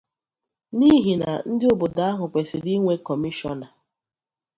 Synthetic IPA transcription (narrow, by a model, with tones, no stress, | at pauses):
ni˦ɦi˨na̰˨n̩˦dɪ˦o˨bo˨da˦a˦ɦʊ˨kʷe˨sɪ˨di˦ŋʷe˦kɔ˨mi˦ʃɔ˦na˨